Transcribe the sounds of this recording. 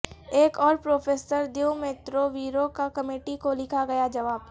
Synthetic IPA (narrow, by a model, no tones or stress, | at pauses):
eːkɔːɾpɾoːfʰeːsəɾd̪ewmeːt̪ɾoʋiːɾokakɐmeːʈikolɪkʰaɡɐjad͡ʒɐʋaːb